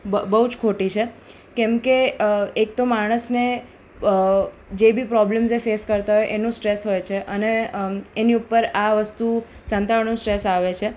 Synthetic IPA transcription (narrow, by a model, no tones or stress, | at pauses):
bəɦud͡ʒkʰoʈit͡ʃʰe | kɛ̃mkeek̚t̪omaɽ̃əsne | d͡ʒebʱipɾɔblemsefeskəɾt̪aɦojʔenũsʈɾesɦojt͡ʃʰeʔəneː | niupːəɾaʋəst̪u | sə̃nt̪aɭnũsʈɾesaʋet͡ʃʰe